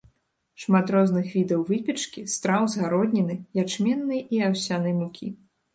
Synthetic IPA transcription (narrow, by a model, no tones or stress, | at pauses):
ʂmat̪ɾɔznɨxvʲid̪ɐwvɨpʲɛt͡ʂkʲist̪ɾawzɣaɾɔd̪ʲnʲɛnɨjat͡ʂmʲɛnːɨjɛʔiawsʲanɨjmukʲḭ